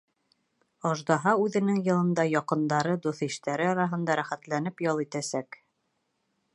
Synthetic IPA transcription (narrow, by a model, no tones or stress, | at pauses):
ɒʒd̪ɑɦɑʉðɘ̆nɘŋjɤ̆lˠɤ̆nd̪ɑjɒqɤ̆nd̪ɑɾɤd̪uθiʃt̪æɾɘɒɾɑɦɤ̆nd̪ɑɾæχæt̪lænɘpjɒlˠit̪æsæk